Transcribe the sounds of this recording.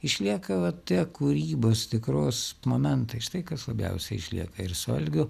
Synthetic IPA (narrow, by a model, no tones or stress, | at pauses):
ɪʃʲlʲiɛkɐʋɐt̪ʲiɛkuːɾʲiːboːst̪ʲɪkɾoːsmoːmʲɛnt̪ɐɪʃt̪ɐɪkɐslˠɐbʲɛ̰ʊsʲɛɪɪʃʲlʲḭɛkɐɪɾsɐ̰lʲɡʲʊ